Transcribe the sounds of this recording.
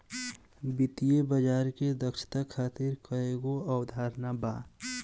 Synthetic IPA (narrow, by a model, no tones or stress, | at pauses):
bɪt̪ijebəd͡ʒaːɾked̪əkʃɪ̥t̪akʰaːt̪iɾkəeɡoawd̪ʱaːɾnabaː